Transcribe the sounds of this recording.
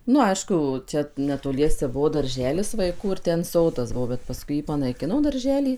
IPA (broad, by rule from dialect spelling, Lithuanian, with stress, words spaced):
ˈnʊ ˈɐɪʃkʊ ˈt͡ʃʲɛ nʲɛtoːˈlʲiɛsʲɛ ˈbʊʋoː dɐrʲˈʒʲæːlʲɪs ʋɐɪˈkuː ɪr ˈtʲɛn ˈsoːdɐs ˈbʊʋoː bʲɛt pɐˈskʊɪ ˈjiː pɐnɐɪˈkʲɪnoː dɐrʲˈʒʲæːlʲiː